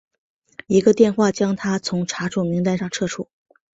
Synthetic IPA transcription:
i˧˥ɡə˧t̪jɛ˥˧nxwa˥˩t͡ɕjɑ˥ŋt̪ʰa˥t͡sʰʊ˧˥ŋʈ͡ʂʰa˧˥ʈ͡ʂʰu˥˩mi˧˥ŋt̪a˥˧ʂɑ˥˧ŋʈ͡ʂʰɤ˥˧ʈ͡ʂʰu˥˩

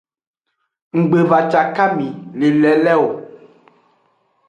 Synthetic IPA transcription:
ŋ̩˨ɡ͡be˨va˨t͡ʃa˨ka˦mĩ˨le˨lɛ˨lɛ˦wo˨

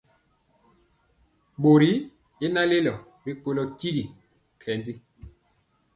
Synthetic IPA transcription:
ɓo˨ɾi˦ | e˦na˦le˦lɔ˨ | ɾi˦ko˦lɔ˦ki˦ɾi˨ | kʰɛ˨ndi˦

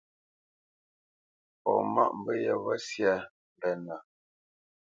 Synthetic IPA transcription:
pɔ̰˨ma̰˦ʔm̩˦bə˦jɛ˨βə˦sja˦˨ | m˨bɛ˨na˨

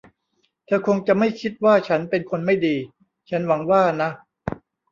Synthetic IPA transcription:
t̪ʰaː˧kʰo˧ŋt͡ɕa˨˩ma˥˩jkʰi˦˥t̪̚waː˥˩t͡ɕʰa˦˥npe˧nkʰo˧nma˥˩jdiː˧ | t͡ɕʰa˦˥nwa˩˦ŋwaː˥˩na˦˥

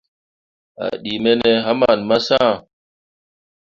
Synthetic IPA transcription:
a̰˨ɗi˨me˦ne˦ɦa˦ma˨nma˦sã˦˨

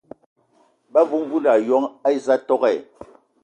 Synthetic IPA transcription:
ba˦vu˦m˦vu˦la˨jɔ˦ŋa˦i˦za˦tɔ˦ɣɛ˦˨

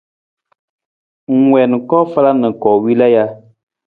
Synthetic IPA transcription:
ŋ̩˦˨wɛ˨n˨kɔ˦fa˦la˦nɨ˨kɔ˨wi˦la˦ja˦

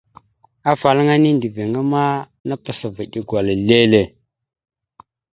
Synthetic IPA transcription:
a˦fa˨lŋa˦ni˦ndi˨ve˨ŋa˦ma˦ | na˦pa˨sa˨va˨ɗi˦ɡʷwa˨la˨le˦le˨

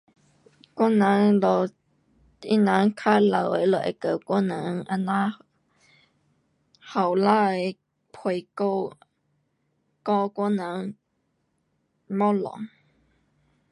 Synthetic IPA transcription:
kʷa˥nã˨˦ŋlɔ˨ | i˦˥nã˨˧˦ŋkʰa˦˥la˨wə˧˦lə˨ʔḛ˨kə˨˩˨kʷɔ˥nã˨˦ŋʔa˧nã˦˥ | ha˨˩wla˦˥˨ | pʰwe˨˧˨ko˧w | kɔ˧kʷɔ˥˨nã˨˦ŋ | mɔ˦˥lɔ̰˨ŋ

